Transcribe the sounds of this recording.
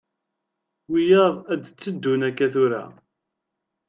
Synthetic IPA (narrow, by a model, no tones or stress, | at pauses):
wijəʁæd̪t͡sːəd̪ːunækːæθʊɾa̰